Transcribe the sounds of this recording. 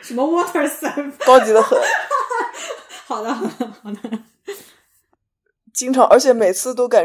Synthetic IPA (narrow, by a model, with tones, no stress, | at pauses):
ʂə˧˥mə˧wɔ˥t̪ʰə˨˩sa˨˥kɑ˥ʊt͡ɕi˧˥d̪ə˧xɤ˧˥˦ | xɑ˨˩ʊd̪ə˦˨˩ɑ˨˩d̪ə | t͡ɕi˥ŋʈ͡ʂʰɑ˧˥ŋʔə˞˧˥t͡ɕʰjɛ˧˩˥me˨˩ɪt͡sʰɹ̩˥˧t̪̬o˥ʊka˨˩